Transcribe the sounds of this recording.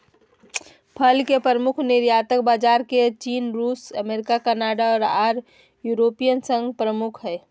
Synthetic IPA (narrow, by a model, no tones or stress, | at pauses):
pʰəlkepəɾəmʊkʰnɪɾjaːt̪əkbaːd͡ʒaːɾket͡ʃiːnɾuːsəmeːɾɪkakənaːɖaɔːɾaːɾ | juːɾoːpijənsə̃ŋɡpɾəmʊkʰɦɛː